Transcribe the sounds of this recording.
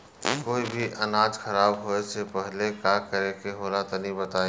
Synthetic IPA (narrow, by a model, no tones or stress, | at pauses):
koːibʱiʔɐnaːd͡ʒxʰɐɾaːbɦoesepɛɦlekakəɾekeɦoːlat̪onɦĩbət̪aːe